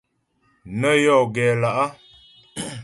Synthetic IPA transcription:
nə˦jɔ˦˨ɡɛ˨la˨ʔa˦

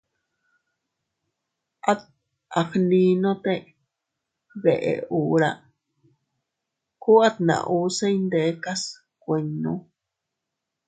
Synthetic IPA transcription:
a˦t̪̚ | a˨xnĩ˧nõ˦t̪e˦˧ | βe˨ʔḛ˨uː˨ɾa˦˧ | ku˦a˦t̪̚nã̰˨ʔu˧se˦jnd̪e˨˧˦ka˦s | kʷe˧ɲːũ˦

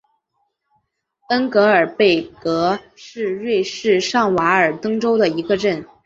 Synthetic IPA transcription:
t̪ə˥ŋkɤ˧˥ə˞˨˩pe˥˩ɪkɤ˧˥ | ʂɻ̩˥˧ɻwe˥˧ɪʂɻ̩˥˧ʂɑ˥˩ŋwa˧˥ə˞˨˩t̪ɤ˥ŋʈ͡ʂo˥ʊd̪ə˨i˧˥ɡə˧ʈ͡ʂə˥˩n

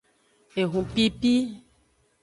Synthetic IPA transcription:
e˨ɦũ˨pi˦pi˦

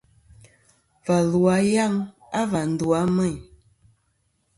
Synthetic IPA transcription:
va˨lwa˨˦ja˦˨ŋ | a˦va˨n̩˨du˨a˦mɛ˦˨ɲ

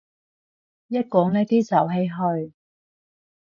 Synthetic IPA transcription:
jɐ˥t̚kɔː˨˧ŋlɛː˥t̪iː˥sɐ˨˩wɦe˨˥jɦɵ˧ɥ

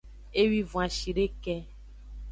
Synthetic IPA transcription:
e˦wi˦vũ˨ã˨ʃi˨ɖe˦kɛ˦

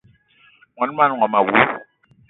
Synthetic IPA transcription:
ŋa˨n˦ma˦n˨ŋa˨ma˨wu˦

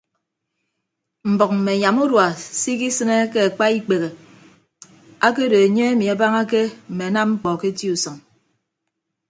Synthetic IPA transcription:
m̩˨bɔ˨k̚m̩˨me˨ɲa˨mu˦dwa˨si˦ki˦sɨ˦ne˦ke˦a˨k͡pa˦i˦k͡pe˨ɣe˨ | a˦ke˦de˨e˨ɲe˦e˦mi˨a˨ba˦ŋa˦ke˦m̩˨me˨na˦m̚ŋ͡m̩˦k͡pɔ˨ke˦ti˦u˨sɔ˨ŋ

